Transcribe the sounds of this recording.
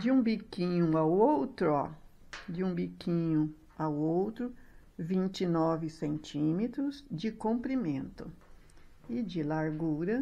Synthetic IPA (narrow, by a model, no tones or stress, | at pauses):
d͡ʒɪũbikĩɲʊawowt̪ɾʊa | d͡ʒɪũbikʰĩɲʊ | awowt̪ɾʊ | vĩnt͡ʃɪnɔvɪsẽnt͡ʃĩmet̪ɾʊzd͡ʒɪkõmpɾimẽnt̪ʊ | ɪd͡ʒɪlaɾɡuɾɐ